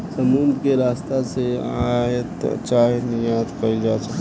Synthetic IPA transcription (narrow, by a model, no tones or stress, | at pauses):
sɐmuːnd̪keɾaːst̪aseajət̪t͡ʃaːɦenɪjaːt̪kɐɾid͡ʒaːsɐk